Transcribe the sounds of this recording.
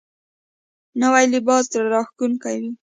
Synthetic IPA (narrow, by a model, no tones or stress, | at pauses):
nawajlɪbɑs̬d̪ɾaɾɑxk̪unkawi